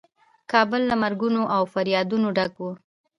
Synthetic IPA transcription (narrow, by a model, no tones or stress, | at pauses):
kɑbəlːamaɾɡunoʔawfaɾjɑd̪unoɖakwu